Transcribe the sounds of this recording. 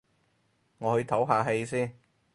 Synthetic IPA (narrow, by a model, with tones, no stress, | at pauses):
ŋɔː˨˧hɵ˧ɥt̪ʰɐ˨˥wɦaː˨˧ɦe˧jsiː˥n